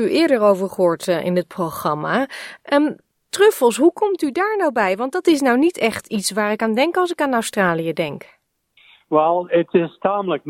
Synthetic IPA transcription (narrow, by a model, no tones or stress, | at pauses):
yʔɪːɹdəɹowvəɹχəɦʊːɹtʔɪ̰nət̚proχrɑmaːʔə | trøfəlˠsɦukɔmtydaːɹnawbɛjʋɑntdɑtɪs̬nawnitɛχtitsʋaːɹɪkaːndɛŋkɑlˠsɪkaːnastraːlijədɛŋk | ʋɛlˠətɪstaːmlək̚